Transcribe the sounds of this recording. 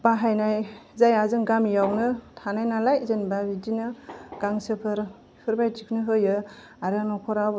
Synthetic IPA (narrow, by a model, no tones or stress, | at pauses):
b̥aɦajnajzajazɯŋɡamjawnɯtʰanajnalajzenbabidinɯɡ̥aŋsɯpʰɯɾ | hɯɾbajtikʰnɯɦɯjɯ | aɾɯnɔkʰɔɾa